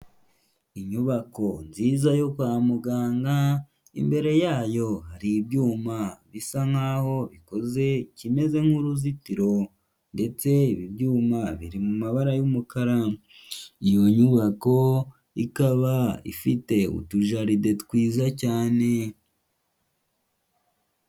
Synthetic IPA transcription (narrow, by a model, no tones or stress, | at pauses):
iɲuβako̞nziːzajo̞kwaːmuɡaːŋɡa | ḭmbe̞ɾe̞jaːjo̞haɾibɟuːmaβisaŋhaːho̞βiko̞ze̞cime̞ze̞ŋhuɾuzitiɾo̞ | nde̞t͡se̞iβibjuːmaβiɾimumaβaɾajumukaɾa | ijo̞ɲuβako̞ | ikaβaḭfite̞ṵtuʒaɾidetkwiːzacaːne̞